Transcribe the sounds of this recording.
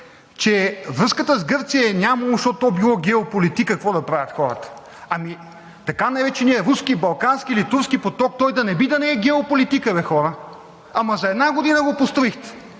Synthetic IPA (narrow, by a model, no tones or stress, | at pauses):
t͡ʃɛvɾɤskət̪əzɡɤɾt̪sijɐɛnʲamɐlˠoʃt̪ɔtt̪ːɔbilˠɔɡʲɛopolit̪ikɐkvɔd̪ɐpɾavʲət̪xɔɾə̰t̪ə̥ | ɐmi | t̪ɐkanajvɛt͡ʃɛniɛɾuskibɐlˠkanskiilit̪uɾskipot̪ɔk̚t̪ɔjd̪ɐnɛbid̪ɐnɛɛɡɛopolit̪ikəvɛxɔɾə | ɐmɐzɐɛd̪naɡod̪inəɡopost̪ɾoixt̪ɛ̥